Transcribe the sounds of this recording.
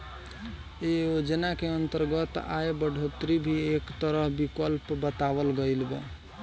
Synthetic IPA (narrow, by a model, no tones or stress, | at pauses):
eod͡ʒənakeənt̪əɾɡət̪a̰ebəɖʱot̪ɾibʱiekt̪əɾəɦbikəlpbət̪abəlɡəɪlbe